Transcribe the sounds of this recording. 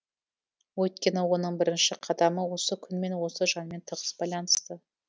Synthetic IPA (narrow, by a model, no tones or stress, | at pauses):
wɵjt̪kʲe̞nɪwo̞nəɴbɪɾɪnʃɪqʰɑd̪ɑməwo̞səkʲʰʏnme̞nwo̞səʒɑnme̞nt̪ʰəʁəsbɑjlˠɑnəst̪ə